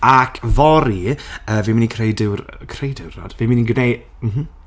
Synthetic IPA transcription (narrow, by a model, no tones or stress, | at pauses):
akʰvɔɾiəːviminikʰrejdɪwrkʰrejdɪwrɔ̰d̥viminiɡnej | m̩ɦm̩